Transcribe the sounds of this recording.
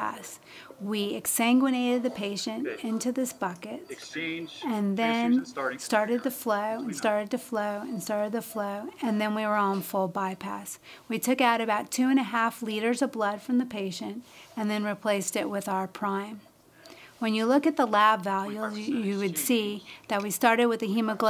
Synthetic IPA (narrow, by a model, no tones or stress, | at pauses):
æ̰s | wiɨksæ̃ŋɡwɨñeɪɾɨd̪̚ðɨpʰeɪʃɨ̃ntɪ̃ntʉðɪsb̥ʌkɨt̚ | ɨ̃nðɨ̃nstɑɹɾɨd̪̚ðɨfloʊɨ̃nstɑɹɾɨd̚tɨfloʊɨ̃nstɑɹɾɨd̪̚ðɨfloʊɨ̃nðɨ̃nwiwə˞ə̃n̩fʊlˠbaɪpʰæ̰s | witʰʊkaʊɾɨbaʊtʰʉɨ̃ñɨɦæfliɾə˞zʌvblʌd̥fɹʌ̃mðɨpʰeɪʃɨ̃ntɨ̃nðɨ̃nɹipʰl̥eɪstɪʔ̚wɪðaʊə˞pʰɹ̥ãɪ̃m | wɨ̃njɨlʊkɨt̪̚ðəlæbvælˠjujɨwɨd̥siðɨt̚wistɑɹɾɨd̚wɨðɨɦʉmɨɡl